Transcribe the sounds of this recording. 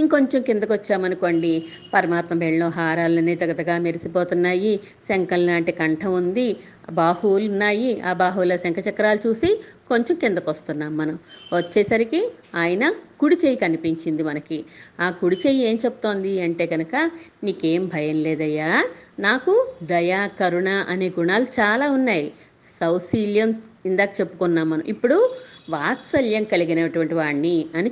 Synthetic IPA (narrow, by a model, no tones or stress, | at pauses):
iŋko̞ɲt͡ʃɐmkind̪ɐkʋɐt͡ʃːaːmɐnuko̞ːɳɖi | pɐɾɐmaːt̪mɐbeɭɐloːɦaːɾaːlɐneːd̪ɐɡɐt̪ɐɡaːmeɾisipoːt̪unːaːji | sɐŋkɐllaːɳʈikɐɳʈʰɐmund̪i | baːhuːlunːaːjia̰ːbaːɦuːlɐsɐŋkɐt͡ʃɐkɾaːlut͡ʃuːsiko̞ɲt͡ʃɐmkind̪ɐkɐst̪unːaːmːɐnɐmʋɐt͡ʃːɛːsɐɾikiaːjɐnɐkuɽit͡ʃeːjikɐnipiɲt͡ʃind̪imɐnɐkiaːkuɽit͡ʃeːjie̞ːmt͡ʃebut̪o̞ːnd̪iɐɳʈe̞ːɡɐnukɐniːkeːmbʱɐjɐnleːd̪ɐjːaːnaːkud̪ɐjaːkɐɾuɳaːʔɐne̞ːɡuɳaːlut͡ʃaːlaːunːaːji | sɐwsiːljɐmind̪aːkɐt͡ʃe̞pːu̥kunːaːmːɐnɐ̰mʔipːuɽuʋaːt̪sɐljɐmkɐliɡinɐʈuʋɐɳʈiʋaːɳniɐni